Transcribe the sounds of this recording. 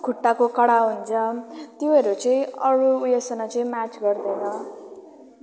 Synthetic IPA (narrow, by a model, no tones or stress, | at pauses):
kʰuʈːakokʌɽaɦunt͡sʰʌt̪joʌɾut͡sʌĩʌɾuːjesʌnʌt͡sʌĩmat͡sɡʌrd̪ʌnʌ